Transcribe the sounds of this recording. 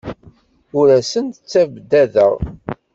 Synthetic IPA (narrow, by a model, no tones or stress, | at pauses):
ʊɾæsənt̪ət͡sːævd̪æðə̰ʁ